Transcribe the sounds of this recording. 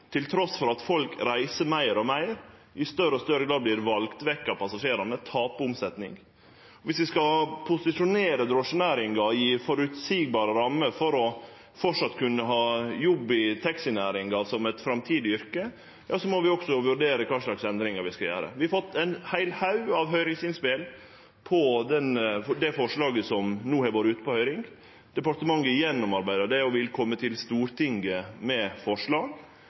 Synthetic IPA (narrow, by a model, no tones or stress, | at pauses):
t̪ʰɪlt̪ʰɾɔsfɔɾɑt̪fɔlkɾæɪsəmæɪɾɔmæɪɾʔɪst̪œɾəɔst̪œɾəɡlɑːblɪːɾʋɑlɡt̪ʋɛkːɑpʰɑsɑʂeːɾɑnət̪ʰɑːpəʊmsɛt̪nɪ̰ŋ | ʋɪsʋɪskɑpʰʊsɪʂʊneːɾəd̪ɾoʂənæːɾɪŋɡɑjiːfɔɾʉt̪siːɡ̚bɑːɾəɾɑmːəfɔɾɔ | fɔʈʂɑt̪ːkʰʉnːəɦɑːjɔbːɪt̪ʰɛksɪnæːɾɪŋɡɑsɔmɛt̪fɾɑmt̪ʰiːd̪ɪʏɾkə | jɑːsɔmɔʋɪɔksɔʋʉɾɖeːɾəkʰɑːʂlɑksɛnd̪ɾɪŋɑɾʋɪskɑljæ̰ːɾə̰ʋɪhɑfɔt̪ːæɪnhæɪlhɑʉɑʋɦœʏɾɪŋsɪnspɪl | pʰɔd̪ɛnd̪ɛfɔʂɭɑːɡəsɔmnuːhɛɡoːɾʉːt̪ə̥pɔhœʏɾɪŋ | d̪̥ɛpɑʈ̪əmɑŋːəɪjɛnːɔmɑɾbæɪd̪əd̪ɛɔʋɪlkʰɔmːət̪ʰɪlst̪uːɾt̪ʰɪŋɡəmɛfɔʂɭɑːɡ